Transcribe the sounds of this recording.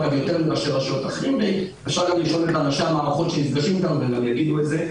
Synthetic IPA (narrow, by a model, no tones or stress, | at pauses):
vavjo̞t̪e̞ʁmulaʃeʁaʃot̪aχliuli | efʃaʁɡamliʃʔo̞letanaʃeamaːʁaχo̞tʃenizɡaʃimot̪anuveɡamjaɡid̪uetze̞